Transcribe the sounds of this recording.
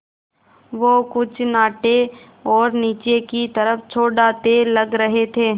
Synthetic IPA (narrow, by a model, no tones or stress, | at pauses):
ʋoːkʊt͡ʃʰnaːʈe | ɔːɾniːt͡ʃekit̪ɐɾəfʰt͡ʃʰoːɖaːt̪elɐɡɾɐɦet̪ʰeː